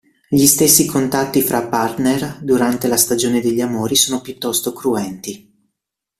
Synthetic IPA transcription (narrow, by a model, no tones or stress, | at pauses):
ʎist̪esːikʰont̪at̪ːifɾʔapːart̪nerd̪uɾant̪elast̪ad͡ʒoːned̪eʎːiamoːɾisoːnopjut̪ːɔst̪okɾuɛnt̪i